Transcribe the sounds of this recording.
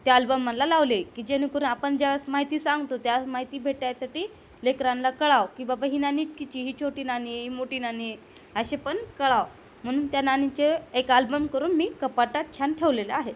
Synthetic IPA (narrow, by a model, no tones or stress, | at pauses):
t̪ealbəmːanlalaʋlekiːd͡ʑenĩkuɾunapəɳd͡ʑasmaɦit̪iːsaŋɡt̪ot̪jamaɦit̪iːbʱeʈjasaʈiː | lekɾãnlakəɭaʋkĩw̃ʋabaɦiːnaniʈ̚kit͡ɕiːɦiːt͡ɕʰoʈiːnaniɦiːmoʈiːnani | əɕepəɳkəɭaʋ | m̤əñuːnt̪jananit͡ɕeekalbəmkəɾuːnmiːkəpaʈat̪̚t͡ɕʰanʈʰeʋleleaɦe